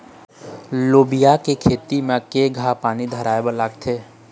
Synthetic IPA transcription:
loːbijakekʰeːt̪imẽkeɡʱapaːnid̪ʱəɾaːebəlaːɡt̪ʰeː

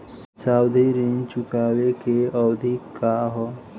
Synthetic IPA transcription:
s | saːwd̪ʱiɾint͡ʃʊkaːwekeəwd̪ʱikːaɦɔ

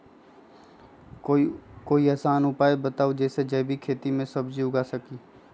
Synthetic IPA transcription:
koːiɐːsaːnʊpaːebət̪aːud͡ʒɛːsed͡ʒɛːbʱikʰeːt̪imẽsɐbd͡ʒiʊɡasəkiː

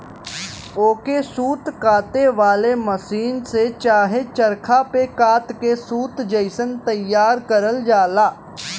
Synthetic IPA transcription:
oːkesuːt̪kaːt̪eʋaːleməsiːnset͡ʃaːɦet͡ʃəɾkʰapekaːt̪kesuːt̪d͡ʒəɪsənt̪ɐjːaːɾkɐɾəld͡ʒaːlaː

